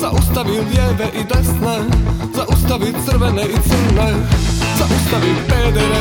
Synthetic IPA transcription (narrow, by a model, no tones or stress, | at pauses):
zaʔust̪avild̪jɛvɛʔid̪ɛst̪nɛzaʔust̪avit͡sr̩vɛnɛʔit͡sɛnɛzaʔust̪avilpɛːd̪ɛɾɛ